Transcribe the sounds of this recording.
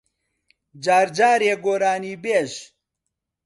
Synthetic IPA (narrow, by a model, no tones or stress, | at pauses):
d͡ʒaːɾd͡ʒaːɾeːɡoːɾaːniːbeːʃ